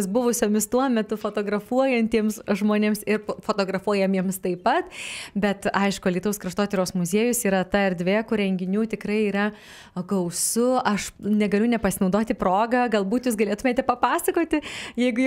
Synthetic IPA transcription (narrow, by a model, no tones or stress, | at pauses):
sbʊʋʊsʲoːmʲɪst̪uɔmʲɛt̪ʊfoːt̪oːɡrɐfuɔjɛnʲt̪ʲiɛmsʒmoːnʲemsɪrfoːt̪oːɡɾɐfuɔjɛmjiɛmst̪ɐɪpɐt̪bʲɛt̪ɐɪʃkʊlʲiːt̪ʊskrɐʃt̪oːt̪ʲɛɾʲoːsmʊzʲeːjʊsiːɾɐt̪ɐɛrd̪ʲʋʲeːkʊɾʲɛŋʲɡʲɪnʲuːt̪ʲɪkrɐɪiːɾɐ | ɡɐʊsʊʔɐʃnʲɛɡɐlʲʊnʲɛpɐsʲɪnɐʊd̪oːt̪ʲɪproːɡɐɡɐlˠbuːt̪juːsɡɐlʲeːt̪ʊmʲeːt̪ʲɛpɐpɑːsɐkoːt̪ʲɪjɛɪɡʊ